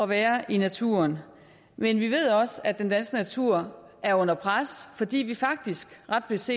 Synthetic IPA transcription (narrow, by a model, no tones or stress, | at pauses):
ɒ̽ʋæːɐʔinæt͡sʰṵɐn | menʋiʋe̝ð̰ˠɒ̽sæd̥end̥ænsɡ̥ənæt͡sʰuɐ̰ | ʔæɐɔ̽n̰ɐpʰʁasfɒ̽d̥ḭːʋifɑ̈ɡ̥̚d̥isɡ̥ʁɑ̈d̥̚b̥le̝se̝̰ː